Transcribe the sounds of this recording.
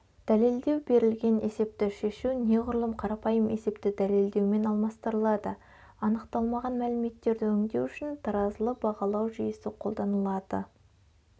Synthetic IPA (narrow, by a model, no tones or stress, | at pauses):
d̪̥æle̞ld̪e̞wbe̞ɾɪlɡʲe̞nʔe̞se̞p̚t̪ɪʃe̞ʃuwne̞ʁʊɾlˠəmqʰɑɾɑpɑjəmʔe̞se̞pt̪ɪd̪æle̞ld̪e̞wme̞nɑlˠmɑst̪əɾəlˠɑd̪ə | ɑnəqt̪ɑlˠmɑʁɑnmælɪme̞t̪ːe̞ɾd̪ɪɵŋd̪e̞wʏʃɪnt̪ʰɑɾɑzəlˠəbɑʁɑlˠɑwʒyjəsɪqʰo̞lˠd̪ɑnəlˠɑd̪̥ə̰